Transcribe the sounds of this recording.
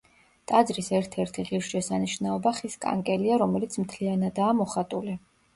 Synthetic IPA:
t̪ʼad̪zɾisɛɾt̪ʰɛɾt̪ʰiʁiɾʃʃɛsaniʃnaɔbaχiskʼa̰ŋkʼɛliaɾɔmɛlit̪sʰmt̪ʰlianad̪aːmɔχat̪ʼuli

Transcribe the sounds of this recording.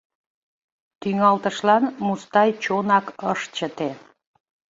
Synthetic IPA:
t̪yŋɑlt̪əʃlɑnmust̪ɑjt͡ɕonɑkəʃt͡ɕət̪e

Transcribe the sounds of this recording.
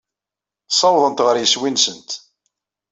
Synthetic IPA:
sˤɑwðˤənt̪ʁəɾjəswinsənt̪

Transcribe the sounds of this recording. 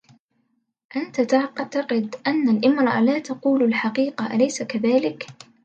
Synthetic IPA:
ʔant̪at̪aʕt̪ɑqɪd̪ʔanːalʔɪmɾˤɑʔlaːt̪ɑquːlalħaqiːqaʔalajsakaðaːlɪk

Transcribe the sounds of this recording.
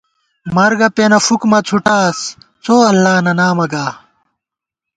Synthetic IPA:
mɐɾɡɐpenɐfukmɐt͡sʰuʈaːs | t͡sʰoːɐlːaːnɐnaːmɐɡaː

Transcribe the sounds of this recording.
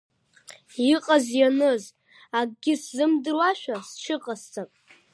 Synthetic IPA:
iqʼazjanɨz | aɡɡʲɪszɨmdɨrwaʃᶣast͡ʃʰɨqʼast͡sʼapʼ

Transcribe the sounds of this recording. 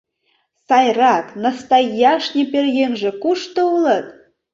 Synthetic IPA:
sɑjrɑknast̪ɑjɑʃnʲepʲerjenʒĕkuʃt̪ɤ̆ulˠɤ̆t̪̚

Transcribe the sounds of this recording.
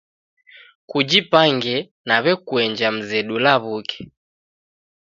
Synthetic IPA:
kud͡ʒipaŋɡɛ | naβɛkuɛɲd͡ʒam̩zɛɗulaβukɛ̥

